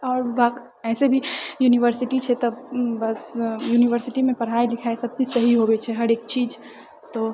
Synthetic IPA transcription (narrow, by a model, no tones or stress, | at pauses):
ɔːɾʋa | ɛːsebʱijuːniʋəɾsɪʈit͡ʃʰɛt̪ɐbbɐsjuːniʋəɾsɪʈimẽpɐɽ̤ɦaːelɪkʰaːesɐb̚t͡ʃiːd͡ʒsɐɦiɦobet͡ʃʰɛɦɐɾeːk̚t͡ʃiːd͡ʒ | t̪o